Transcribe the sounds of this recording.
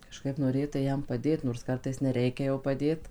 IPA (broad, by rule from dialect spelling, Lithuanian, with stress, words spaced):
kɐˈʃkɐɪp noːˈrʲeːtɐɪ ˈjɛm pɐˈdʲeːt noːrs ˈkɐrtɐɪs nʲɛˈrʲɛɪkʲɛ jɛʊ pɐˈdʲeːt